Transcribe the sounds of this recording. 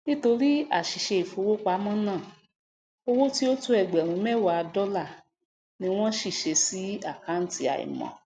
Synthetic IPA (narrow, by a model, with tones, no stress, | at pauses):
nĩ˦to˧ɾi˦a̰˦˨ʃi˨ʃe˧i˨fo˨˧wo˦k͡pa˧˦mã˦nãː˦˨ | o˧wo˦ti˦o˦tu˦ɛ˨ɡ͡bɛ˨ɾ̃ũ˨˦mɛ˦˨wa˨˧dɔ˦la˦˨ | nĩ˧˦w̃ɔ̃˦ʃi˦˨ʃe˧si˨˦a˦˨ka˨˦n̩˦ti˦a̰˨ḭ˨mɔ̰̃˨